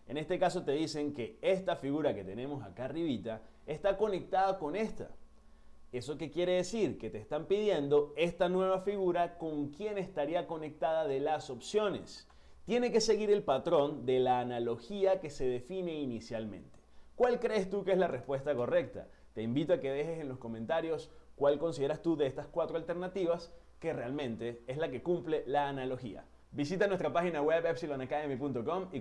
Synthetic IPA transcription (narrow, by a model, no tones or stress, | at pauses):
e̞̰ne̞st̪e̞kaso̞t̪e̞ðise̞ŋke̞est̪afiɣuɾake̞t̪ene̞mo̞sa̰kariβit̪a | e̞st̪ako̞ne̞k̚t̪aðako̞ne̞st̪a̰ | e̞so̞ke̞kje̞ɾe̞ðe̞siɾke̞t̪e̞ːst̪ampiðje̞nd̪o̞e̞st̪anwe̞β̞afiɣuɾako̞ŋkje̞ne̞st̪aɾiako̞ne̞k̚t̪aðaðe̞laso̞psjo̞ne̞̰s | t̪je̞ne̞ke̞se̞ɣiɾe̞lpat̪ɾo̞nd̪e̞laːnalo̞xiake̞se̞ðe̞fine̞inisjalmḛ̃nt̪e̥kwalkɾe̞ːst̪ukeezlarespwe̞st̪ako̞re̞k̚t̪a̰ | t̪e̞imbit̪oake̞ðe̞xe̞se̞nlo̞sko̞mẽnt̪aɾjo̞skwalko̞nsiðeɾast̪uðeest̪askwat̪ɾoalt̪e̞ɾnat̪iβas | ke̞realmẽ̞nt̪e̞ezlake̞kumple̞laːnalo̞xḭa̰ | bisit̪anwest̪ɾapaxinawebepsilonakaemipunt̪oko̞mi